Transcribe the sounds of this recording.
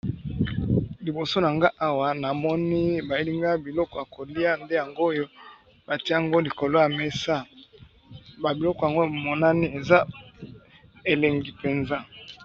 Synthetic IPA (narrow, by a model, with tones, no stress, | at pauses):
li˨bo˨so˦na˨ŋɡa˦ʔa˦wa˦na˨mɔ˦ni˦ba˨e˦li˦ŋɡa˦bi˨lɔ˦kɔ˨ja˨ko˨li˦a˦nde˦ja˨ŋɡo˦jo˦ | ba˨ti˦a˦a˨ŋɡo˦li˨ko˨lo˦ja˨me˦sa˦ | ba˨bi˨lɔ˦kɔ˨ja˨ŋɡo˦˨mɔ˦na˦ni˦e˨za˦ | e˨le˨ŋɡi˨pe˨nza˦